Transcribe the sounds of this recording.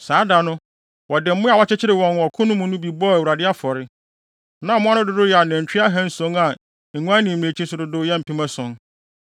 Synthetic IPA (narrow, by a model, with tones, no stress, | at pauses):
saː˨˦da˨nʊ̃˦ | wɔ˨dɪ˨m̩˦mʊ̃˦a˨wɔ˦t͡ɕɪ˦t͡ɕʰɪ˦ɾɪ˨wɔ̃˨n˨ɔ˨kʰʊ̃˦nʊ̃˦mũ˦nʊ̃˦bi˨bɔ˦æ˨wu˨ɾa˨dɪ˦a˦fɔ˨ɾɪ˦ | nã˨mʊ̃˦a˦nʊ̃˦dʊ˨dʊ˦jɛ˨a˨nɛ̃˨ɲ̩˨t͡ɕᶣɪ˦a˦ɦɛ̃˦n̩˦sõ˦ŋa˨ | ŋ̩˨ŋũ˦ã˦nĩ˨m˨e˨t͡ɕʰi˦sʊ˨dʊ˨dʊ˦jɛ˦m̩˨pʰĩ˦mã˦sʊ̃˨ŋ